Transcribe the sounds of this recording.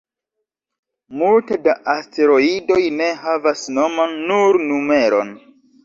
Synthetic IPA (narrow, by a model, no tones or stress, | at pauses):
multedaʔaste̞ɾo̞ido̞jne̞havasno̞manːuɾnume̞ɾo̞̰n